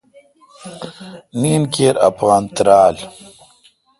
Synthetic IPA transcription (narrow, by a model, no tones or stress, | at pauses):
niːnkeːɾɐ̰pɣaːnt̪ɾaːl